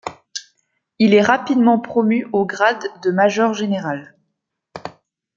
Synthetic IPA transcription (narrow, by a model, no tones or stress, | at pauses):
ilɛʁapid̪mɑ̃pχɔmyoɡʁad̪ːəmaʒɔʁʒeneʁal